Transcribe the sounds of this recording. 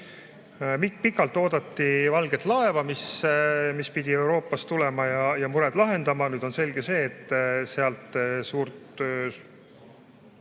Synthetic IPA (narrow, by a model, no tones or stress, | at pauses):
mikpikːˑɑlt̪ːˑo̞ːd̪ɑt̪ːivɑlɡ̥et̪ˑlɑe̞vɑmismispid̪̥ʲie̞wɾo̞ːpːˑɑst̪ulɛmɑjɑjɑmuɾɛd̪̥lɑɦe̞nd̪̥ɑmɑnyːd̪onse̞lɡe̞se̞ːt̪ːˑse̞ɑlt̪ˑsuːrt̪ø